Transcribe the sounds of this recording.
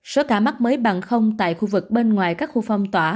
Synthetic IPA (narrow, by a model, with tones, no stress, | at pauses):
so˨˦kaː˧˩ma˦˥k̚məː˨˦jɓa˨˩ŋxə˧wŋ͡mt̪a̰ː˧˨jxu˧vɨ˨˩k̚ɓe˧nŋwaː˨˩jkaː˦˥k̚xu˧fa˧wŋ͡mt̪waː˧˩